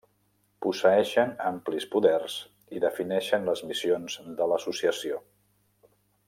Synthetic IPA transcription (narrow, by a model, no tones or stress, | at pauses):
pusəɛʃənamplispuðɛrz | iðəfinɛʃənləzmisionzd̪ələsusiəsio